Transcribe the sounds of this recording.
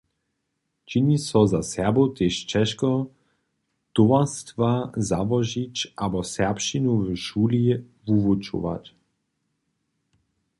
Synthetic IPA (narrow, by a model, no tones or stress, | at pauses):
t͡ʃinisɔzasɛbot̪eʃt͡ʃɛʃkɔ | t̪ovast̪vazavɔʒit͡ɕabɔsɛpʃinuvəʃuli | vuvut͡ʃṵʋa̰t̪